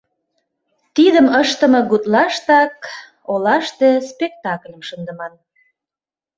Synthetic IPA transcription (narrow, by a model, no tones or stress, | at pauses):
t̪id̪əməʃt̪ə̆mɤ̆ɡut̪lɑʃt̪ɑk | olɑʃt̪espek̚t̪ɑklʲəmʃənd̪ə̆mɑn